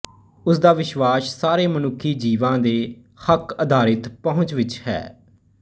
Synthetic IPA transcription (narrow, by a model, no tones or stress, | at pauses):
ʊsd̪aːʋɪʃʋaːʃsaːɾeːmənʊkʰːiːd͡ʒiːʋãːd̪eː | həkəd̪ʱaːɾɪt̪pəɦʊ̃t͡ʃʋɪt͡ʃhɛ̰ː